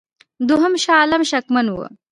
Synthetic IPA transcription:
d̪ʊɦɐmʃɑːlɐmʃɐkmɐnwə̰

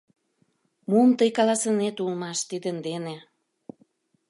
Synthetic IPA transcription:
mumt̪əjkɑlɑsənet̪ulmɑʃt̪id̪ənd̪ene

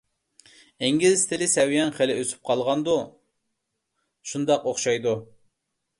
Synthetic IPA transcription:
eŋɡʲizt̪ʰɪlɪsɛwjɛnχelɪʔøsy̥p̚qʰɑlˠʁɑnd̪u | ʃund̪ɑqoχʃɑjd̪u

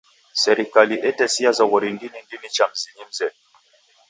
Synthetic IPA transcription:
sɛɾikaliʔɛtɛsiazawɔɾindinindinit͡ʃam̩ziɲim̩zɛn

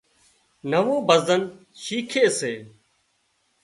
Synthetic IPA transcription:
nəʋõːbəzən | ʃiːkʰeːseː

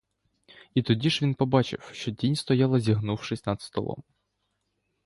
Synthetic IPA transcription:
it̪ʊdʲiʃʋʲinpɔbɑt͡ʃɪ̰wʃt͡ʃɔdʲinʲst̪ɔjɑlˠɐzʲiɦnuwʃɪsʲnɐd̪st̪ɔ̰lˠɔ̰m

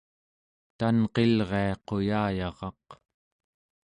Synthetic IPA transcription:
t̪anqe̞lʁe̞ɑqo̞jaːjɑʁɑq

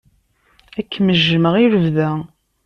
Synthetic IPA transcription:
ækːməʒːəməʁiɾəvðæ

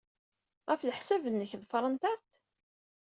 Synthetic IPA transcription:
ʁæfləħsævənːəçðfɾˤɑnt̪æɾt̪

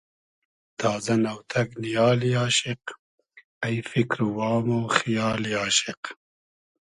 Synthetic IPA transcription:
t̪ʰaːzɐnɐwt̪ʰɐknijaːliaːʃɪq | ɐjfikɾwaːmoːxijaːliaːʃɪq

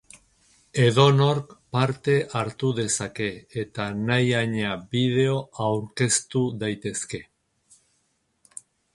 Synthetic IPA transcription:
e̞ðo̞no̞ɾkpaɾt̪e̞ʔaɾt̪uðe̞sake̞ːt̪anajaɲabiðe̞o̞awɾke̞st̪uðajt̪e̞ske̞

